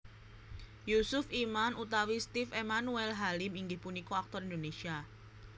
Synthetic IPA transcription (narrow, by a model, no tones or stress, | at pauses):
jusʊfimanut̪awist̪ifemanuɛlɦalɪmiŋɡɪhpunikɔak̚t̪ɔrind̪onesia